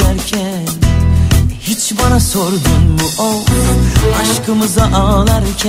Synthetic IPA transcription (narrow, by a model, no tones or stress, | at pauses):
æɾkʰæn | hit͡ʃbɑnɑsoɾd̪umbuʔo | ɑʃkɯmɯzɑʔɑlˠɑɾcʰæ